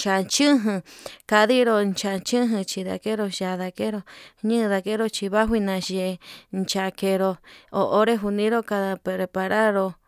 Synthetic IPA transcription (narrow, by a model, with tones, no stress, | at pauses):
t͡ʃa˨t͡ʃɨ̃˦ɦɨ̃˧ka˧ði˦ɾo˧nt͡ʃa˧t͡ʃɨ̃˦ɦɨ̃˧t͡ʃi˧ða̰˨ke˦ɾo˧ʃa˨ða˧ke˦ɾo˧ɲɨ̃˦˧ða˧ke˦ɾo˧t͡ʃi˧βa˦ɦʷwi˧nã˧ʃe˧˨nt͡ʃa˧ke˧ɾo˧o˧ʔo˦ɾe˦ɦu˧nĩ˧˦ɾo˦ka˧ða˧ɾe˧pa˧ɾa˦ɾo˧